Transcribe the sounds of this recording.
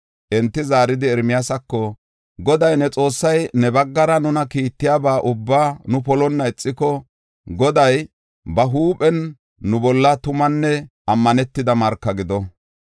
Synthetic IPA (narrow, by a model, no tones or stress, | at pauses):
ʔɛnt̪ːɪzaːɾɪd̪ɪɛɾmɪjasɐkːɔ | ɡɔd̪ɐjnɛt͡sʼo̞ːsːɐjnɛbɐɡːɐɾɐnʊnɐkiːt̪ːɪjaːbaːʔʊbːaːnʊpɔlɔnːɐɛt͡sʼːɪkɔ | ɡɔd̪ɐj | bɐɦuːpʼɛnː | ʊbɔlːɐt̪ʊmɐnːɛʔɐmːɐnɛt̪ːɪd̪ɐmɐɾkːɐɡɪd̪ɔ